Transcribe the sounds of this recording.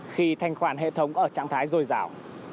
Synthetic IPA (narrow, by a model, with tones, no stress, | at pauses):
xi˧t̪ʰa˧jŋ̟xwaː˧˩nɦḛ˧˨t̪ʰə˨˦wŋ͡mʔəː˧˩t͡ɕa̰ː˧˨ŋt̪ʰaː˨˦jzo˧jzaː˧˩w